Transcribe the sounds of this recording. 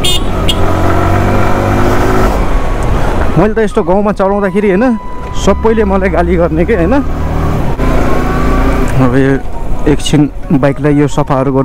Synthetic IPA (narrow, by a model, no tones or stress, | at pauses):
mʌjlt̪ʌest̪oɡãw̃mat͡sʌlãw̃d̪akʰeɾiɦʌjnʌ | sʌbːʌjlemʌlajɡaliɡʌrnekʌjɦʌjnʌ | ʌbʌekt͡sʰinbajklajːjosʌpʰaɦʌɾuɡʌ